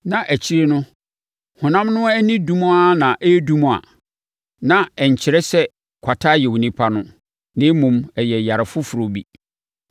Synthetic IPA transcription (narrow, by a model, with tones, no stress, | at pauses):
nã˨ʔæ˨t͡ɕʰi˦ɾe˦nʊ̃˦ | hʊ̃˨nã˦mnʊ̃˦æ˦nĩ˦dũ˦mũ˦a˦nã˨ʔe˦dũ˦m̃˨a̰˨ | nã˨ɛ˨ɲ̩˨t͡ɕʰɪ˨ɾɛ˦sɛ˦ | kʰʷa˨tʰa˦jɛ˨wu˨nĩ˦pʰa˦nʊ̃˦ | nɪ̃˦mũ˨mɛ˨jɛ˨ja˨ɾɪ˨fʊ˦fu˨ɾo˨bḭ˦